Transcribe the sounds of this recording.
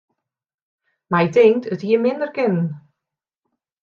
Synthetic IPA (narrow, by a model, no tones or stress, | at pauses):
majdɪŋtʰətiəmɪndəɹɡɪnn